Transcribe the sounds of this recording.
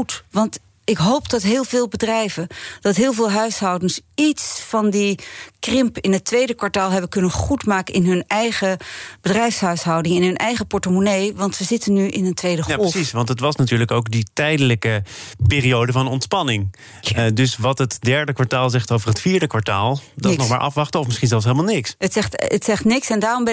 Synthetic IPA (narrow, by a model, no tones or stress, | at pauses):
utʋɑnt | ɪkɦowpdɑtɦɪːlˠvɪːlˠbədrɛjvənd̥ɑtɦɪːlˠvɪːlˠɦœɥsɦɑwdənsitsfɑndikrɪmpɪnɦətʋejdəkʋaɹtaːlˠɦɛbəkɵnənχutmaːkənʔɪnɦɵnɛjχəb̥ədrɛjfsɦœɥsɦɑwdɪŋɛnɦɵnʔɛjχəpɔɹtəmonejʋɑntsəzɪtənːyʔɪnəntʋejdəasisʋɑntɦətʋɑsnatyːɹləkowkditɛjdələkəpɪːriowdəvɑnɔntspɑnɪŋ | dɵsʋɑtɦətdɛɹdəkʋaɹtaːlˠzɛχtowvərɦətfiːɹdəkʋaɹtaːlˠdnɔχmaːɹʔɑ̰fʋɑχtəɔfmɪsχinzɛlˠs̬ɦejləmalˠnɪksətɛχtətsɛχtnɪksɛndaːrɔmbɛ